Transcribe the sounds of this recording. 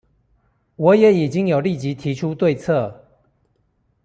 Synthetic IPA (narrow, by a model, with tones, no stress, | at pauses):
wɔ˨˦jɛ˨˦i˨˩t͡ɕi˦ŋjo˨˩ʊli˥˨t͡ɕi˨˦t̪ʰi˨˦t͡ʃʰu˦t̪we˥˨ɪt͡sʰɤ˥˨